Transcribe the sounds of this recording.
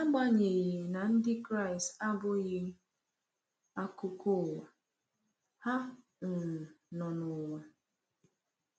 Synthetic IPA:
a˦ɡ͡ba˦ɲe˨ɣi˨na˨n̩˦dɪ˦kɾa˦˨ɪ˨sta˦bʊ˦ɣɪ˦ | a˦kʊ˦kʊ˦˨wa˨ | ha˦ | n̩˨nɔ˨nʊ˨we˨

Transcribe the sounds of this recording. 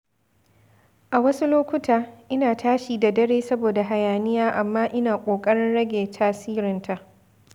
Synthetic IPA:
ʔa˨wɐ˦su˦loː˦kʷʊ˦taː˨ʔɪ˦naː˨taː˦ʃiː˨da˨dɐ˦ɽeː˦sɐ˦boː˨da˨ɦa˨jaː˨nɪ˦jaː˦ʔa˨mːaː˦ʔɪ˦naː˨kʷʼoː˨kʼɐ˦ɽɪ˦nɽɐ˦ɡʲeː˨tʰaː˦siː˦ɾɪ˨ntʰa˨ʔ

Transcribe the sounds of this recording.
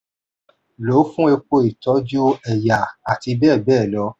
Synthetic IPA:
lo˨˦fũ˦e˧k͡po˧i˨tɔ˨˦d͡ʒo˦ɛ˨ja˨a˨ti˧bɛː˦˨bɛː˦˨lɔ˧˦

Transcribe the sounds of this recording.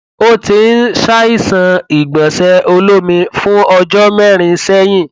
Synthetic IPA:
o˦ti˧n̩˦ʃa˦i˦˨sã˧i˨ɡ͡bã˨sɛ˧o˧lo˦mĩ˧fũ˦ɔ˧d͡ʒɔ˦mɛ˦˨ɾ̃ĩ˧˦sɛ˦j̃ĩ˦˨

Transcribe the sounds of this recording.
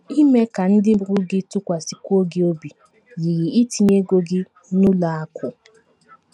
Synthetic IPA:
i˦me˦ka˨n̩˦dɪ˦ɾʊ˦ɡɪ˦tʊ˦kʷa˨si˨kʷo˦ɡɪ˦o˦bi˨ | ji˨ɣi˨i˦ti˦ɲe˦ɡo˦ɡɪ˦ | nʊ˦la˨a˦kʰʊ˨

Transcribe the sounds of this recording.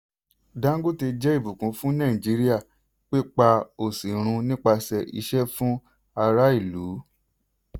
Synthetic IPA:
dã˦ŋ˦ɡo˦˨ti˧d͡ʒɛ˦i˦˨bu˨kũ˨˦fũ˦nã˦˨i˨d͡ʒi˨˦ɾi˦a˦˨ | k͡pe˦k͡pa˧o˨si˨ɾ̃ũ˧nĩ˦k͡pa˧sɛ˧ʔḭ˧ʃɛ˦fũ˦ | a˧ɾa˦i˦˨lu˨˦

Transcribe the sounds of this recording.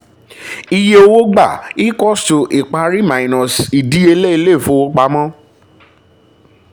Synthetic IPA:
i˧je˦o˧wo˦ɡ͡ba˦˨i˦kɔ˦sto˨ʔi˨k͡pa˧ɾi˦mã˨ĩ˨nɔ̃˨si˨di˨˦e˧le˦i˧le˦˨fõ˨˦wo˦k͡pa˧˦mã˦

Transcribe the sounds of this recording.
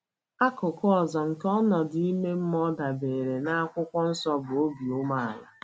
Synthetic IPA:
a˦kʊ˨kʊ˦ɔ˨zɔ˨ŋ̩˨kɔ˦nɔ˨dɪ˨i˦me˦m̩˦m˦ɔ˦da˨be˨ɾe˨na˦a˦kʷʊ˦kʷɔ˦n̩˦sɔ˦bʊ˨o˦bi˨ʊ˦ma˦a˨la̰˨

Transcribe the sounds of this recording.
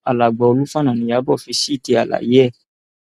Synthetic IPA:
a˨la˨ɡ͡bɔ˨o˧lu˦fa˦nã˨nĩ˨ja˨˦bɔ˦˨fi˧si˦˨ti˧a˨la̰˨ji˨˦ɛ˦˨

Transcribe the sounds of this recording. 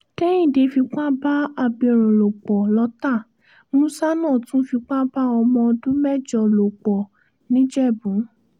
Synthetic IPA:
tɛ˦ĩ˦˨de˨˧fi˧k͡pa˦ba˦a˧˨bĩ˨˧˨ɾ̃ɔ̃˨lo˨k͡pɔ˨lɔ˧˦ta˦˨ | mũ˦sa˦nãː˦˨tũ˦fi˧k͡pa˦ba˦ɔ˧mɔ̃˧ɔ˧dũ˦mɛ˦˨d͡ʒɔ˨lo˨k͡pɔ˨ | nĩ˦d͡ʒɛ˦˨bũ˨˦

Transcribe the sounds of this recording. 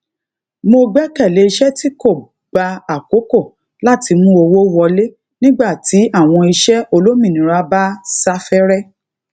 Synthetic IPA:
mo˧ɡ͡bɛ˦kɛ˦˨le˨˦i˧ʃɛ˦ti˦ko˦˨ | ɡ͡ba˧a˨ko˨˦ko˦˨ | la˦˨ti˧mũ˦o˧wo˦wɔ˧le˦ | nĩ˦ɡ͡ba˦˨ti˨˦a˦˨w̃ɔ̃˧i˧ʃɛ˦o˧lo˦mĩ˦˨nĩ˨ɾa˧˦ba˦sa˦fɛ˦ɾɛ˦

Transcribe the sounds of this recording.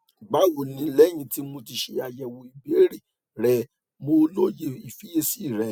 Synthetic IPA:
ɡ͡ba˨˦wo˨nĩ˨˦lɛ˦j̃ĩ˧ti˦mo˧ti˧ʃe˧a˨jɛ˨wo˨i˨be˨˦ɾi˦˨ | ɾɛ˧ | mo˧lo˦je˧i˨fi˨˦e˧si˦˨ɾɛ˨˧

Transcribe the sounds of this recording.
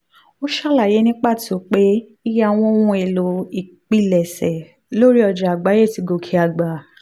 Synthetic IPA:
o˦ʃa˦˨la˦˨je˨˦nĩ˦k͡pa˦˨ti˨o˦˨k͡pe˦i˦ja˦˨w̃ɔ̃˦wũ˧˦e˨lo˨˦i˨k͡pi˦˨lɛ˨sɛ˨ | lo˦ɾi˦ɔ˧d͡ʒa˨a˨ɡ͡ba˨˦je˦˨ti˨˧˦ɡo˧kʰi˨˦a˧˨ɡ͡ba˨

